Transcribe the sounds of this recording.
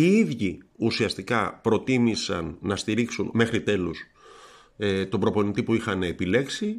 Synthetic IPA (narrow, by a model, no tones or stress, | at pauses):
iiðʝiusiɐst̪ikɐpɾo̞t̪imisɐ̰nːɐst̪iɾiksunme̞xɾit̪e̞lus | et̪o̞bɾo̞po̞nit̪ipuixɐnepile̞ksi